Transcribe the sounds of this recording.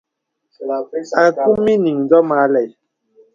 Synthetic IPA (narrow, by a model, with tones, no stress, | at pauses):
a˨ku˦mi˦ni˨ŋ˨dɔ˦maː˨˦lɛ˨j